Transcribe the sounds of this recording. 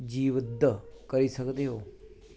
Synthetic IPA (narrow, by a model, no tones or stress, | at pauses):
d͡ʒiːʋəd̪kəɾisəkd̪eɦoː